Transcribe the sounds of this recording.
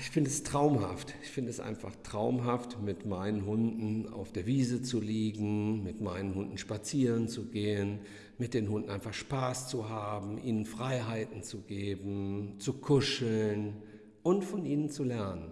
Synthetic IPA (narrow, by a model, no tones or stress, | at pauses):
ɪçfɪndəɛstʁ̥aʊmɦa̰ftɪçfɪndəɛsʔa̰ɪnfa̰χtʁ̥aʊmɦaftmɪtmaɪnənɦʊndn̩a̰ʊfd̥eːɐviːzət͡suliːɡŋ̩mɪtmaɪnənhʊndn̩ʃpat͡siːʁənt͡suɡeːən | mɪt̚d̥eːnhʊndn̩aɪnfaχʃpaːst͡suhaːbm̩ʔiːnənfʁ̥aɪɦaɪtn̩t͡suɡeːbm̩t͡sukʰʊʃl̩n | ʔʊntfɔnʔiːnənt͡sulɛɐnən